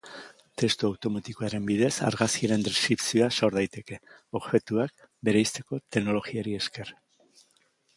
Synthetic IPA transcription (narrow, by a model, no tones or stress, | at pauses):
t̪e̞st̪uawt̪o̞mat̪ikoaɾe̞mbiðe̞sa̰ɾɣaskiaɾe̞nd̪eskɾipsioaso̞ɾðajt̪e̞ke̞ | o̞ɣxe̞t̪uak̚ | be̞ɾajst̪e̞ko̞t̪e̞kno̞lo̞ɣiaɾie̞ske̞r